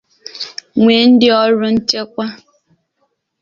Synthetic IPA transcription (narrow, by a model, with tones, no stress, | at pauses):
ŋʷe˨n̩˦dɪ˦ɔ˦ɾʊ˦n̩˦t͡ʃe˦kʷa˦